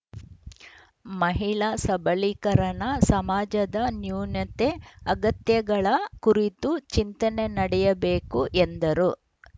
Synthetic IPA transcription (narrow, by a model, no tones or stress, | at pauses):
mɐɦiɭasɐbɐlikɐɾɐnɐsɐmaːd͡ʒɐd̪ɐnjuːnjɐt̪eɐɡɐt̪jɐɡɐɭɐkuɾit̪ut͡ʃint̪ɐne̞nɐɽɛjɐbe̞ːkuʔend̪ɐɾu